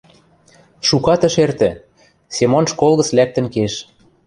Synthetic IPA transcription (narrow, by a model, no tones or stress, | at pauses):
ʃukɑt̪ə̆ʃert̪ɘ̆ | semonʃkolɣɤ̆t͡slæk̚t̪ə̆nkeʃ